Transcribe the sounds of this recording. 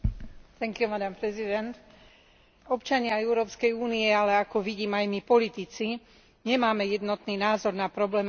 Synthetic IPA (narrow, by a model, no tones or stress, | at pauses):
t̪ɛŋkumad̪ampɾɛzid̪ɛnt̪ | ɔpt͡ʃaɲɪaɛʊɾɔːpskɛjuːniɛalɛakɔʋiɟiːmajmipɔlit̪it͡si | ɲɛmaːmɛjɛd̪nɔt̪niːnaːzɔɾnapɾɔblɛːm